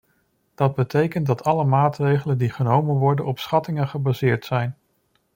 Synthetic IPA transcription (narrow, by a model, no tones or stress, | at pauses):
d̥ɑd̚bətejkəntdɑtʰɑləmaːtrejχələndiχənowmənʋɔɹdənɔpsχɑtɪŋənχəbazɪːɹtsɛjn